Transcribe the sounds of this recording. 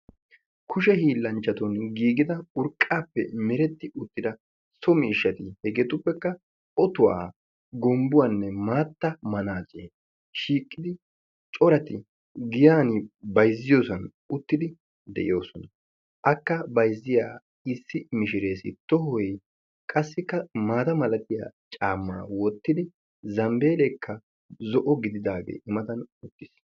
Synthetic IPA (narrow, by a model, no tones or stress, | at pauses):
kʰʊʃɛhiːlːɐnt͡ʃːɐt̪ɔnɡiːɡɪd̪ɐʊɾkʼːaːpːɛ̰mɛɾɛt̪ːɪʊt̪ːɪd̪ɐ | sɔmɪːʃːɐt̪ɪhɛɡeːt̪ʊpːɛkːɐ | ɔt̪ʊwa̰ː | ɡɔmbʊwaːnːɛmaːt̪ːɐmɐnaːt͡ʃʼeː | ʃiːkʼːɪd̪ɪ | t͡ʃʼɔɾɐt̪ɪ | ɡɪjaːnɪbɐjzːɪjoːsɐn | ʊt̪ːɪd̪ɪ | d̪ɛ̰ʔɪ̰jo̞ːsɔnɐ | ʔɐkːɐbɐjzːɪjaː | ɪsːɪmɪʃɪɾe̞ːsɪ̰t̪ɔhɔj | kʼɐsːɪkːɐmaːt̪ɐmɐlɐt̪ɪja̰ːt͡ʃʼaːmːɐɾɐ̰wɔt̪ːɪd̪ɪ | zɐmbe̞ːlekːɐ | zɔʔɔɡɪd̪ɪd̪aːɡḛːʔɪmɐt̪ɐnʊt̪ːɪ̥s